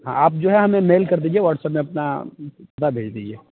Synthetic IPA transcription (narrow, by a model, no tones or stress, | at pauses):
ɦã̰aːp̚d͡ʒoːɦɛɦɐmẽmeːlkɐɾd̪iːd͡ʒieʋaːʈsɛpmẽɐp̚napɐt̪abʱeːd͡ʒd̪iːd͡ʒieː